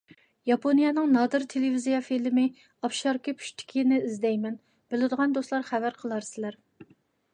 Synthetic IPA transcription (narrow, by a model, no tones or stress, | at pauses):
jɑpʰonijɑnɨŋnɑd̪ɨɾt̪ʰelɪvizijɑfilmɪ | ɑfʃɑɾkʲipʰy̥ʃt̪ʰɪ̥kʲʰinɪizd̪ɛjmɛn | b̥elɪd̪əʁɑnd̪oslˠɑɾχævæɾqʰəlˠɑɾsɪlæɾ